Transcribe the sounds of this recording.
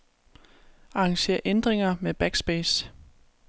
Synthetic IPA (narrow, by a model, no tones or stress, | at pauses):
ɑ̈ɑŋɕe̝̰ɐ̰ʔend̥ʁeŋɐmeb̥æɡ̥sb̥eːs